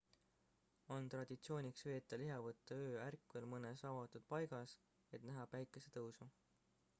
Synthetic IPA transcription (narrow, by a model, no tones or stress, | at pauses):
o̞nt̪ɾrɑd̪̥ʲit̪sio̞ːnʲiksve̞ːt̪ːˑɑliɦɑvɤt̪ˑːɑøːærkːˑvelmɤnesɑvɑt̪ːˑud̪̥̚pɑjɡ̥ɑs | e̞t̪næɦɑpæjkːˑeset̪ɤwsu